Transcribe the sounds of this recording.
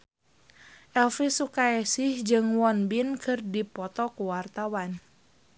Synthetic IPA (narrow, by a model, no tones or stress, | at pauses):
ʔɛlfisukaɛsɪhd͡ʒɨŋwɔnbinkʰɨrdipɔt̪ɔkuwart̪awan